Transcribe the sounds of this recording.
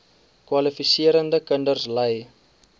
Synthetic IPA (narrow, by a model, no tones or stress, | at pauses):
kwɐlifisiəɾəndəkəndərsləj